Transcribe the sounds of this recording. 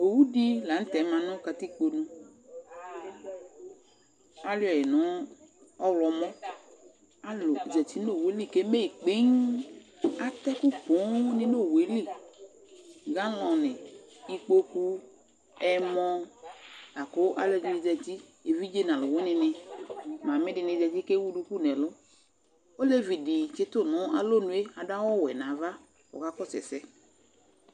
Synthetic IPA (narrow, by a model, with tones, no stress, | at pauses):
o˨wu˦di˦la˨n̩˦tɛ˨˦mã˧nɔ̃˦ka˧ti˦k͡po˧nũ˧ | a˦lɔ˨je˨nɔ̃˨˦ | ɔ˦ɾɔ˧mɔ̃˦ | a˦lʊ˨i˨d͡zɛ˨ti˦no˦˨we˨˦li˦˨ke˦me˦i˨k͡pe˦ŋ | a˦t̪ɛ˦ku˦k͡pɔ̃˨˦nɪ̃˦no˦˨we˨˦li˦˨ | ɡa˦lɔ̃˨nɪ̃˨ | i˧k͡po˧ku˦ | ɛ˦mɔ̃˧ | a˨ko˨˦ʔa˦lɛ˦d͡ʒi˧˦ni˨˧d͡zɛ˧ti˦ | e˨vi˦d͡ʒe˦˨nã˨lʊ˨wɛ˦nɪ̃˧nɪ̃˧mã˨mɪ˦dɪ˧nɪ˧d͡zɛ˧ti˦ke˦wu˦du˧ku˦˨nɛ˨lʊ˦ | o˦le˦vi˨di˨t͡ʃe˦t̪ʊ˦˨nʊ̃˨˦a˨lo˦˨nũ˨˦e˦a˨da˦wɔ˦˨wɛ˨nã˨va˦ | ɔ̰˨ka˦kɔ˦˨sɛ̰˨sɛ˦